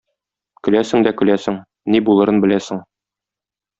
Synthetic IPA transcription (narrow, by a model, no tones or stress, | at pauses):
kɵ̆læsɘ̆ŋd̪ækɵ̆læsɘŋ | nibulˠɤ̆ɾɤnbɘ̆læsɘŋ